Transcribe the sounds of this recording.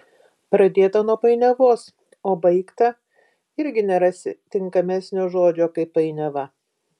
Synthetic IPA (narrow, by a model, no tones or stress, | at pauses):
pɾɐd̪ʲeːt̪ɐnuɔpɐɪnʲɛʋoːs | oːbɐɪkt̪ɐ | ɪɾʲɡʲɪnʲɛɾɐsʲɪ̰t̪ʲɪŋkɐmʲæːsʲnʲoːʒoːd͡ʒʲoːkɐɪpɐɪnʲɛʋɐ